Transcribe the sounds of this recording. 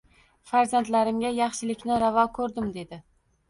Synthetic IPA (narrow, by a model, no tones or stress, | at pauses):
faɾzant̪laɾɪmɡʲajɑχʃɪlɪkʲnɪɾavɒkʰɵɾd̪ɪmd̪e̞d̪ɪ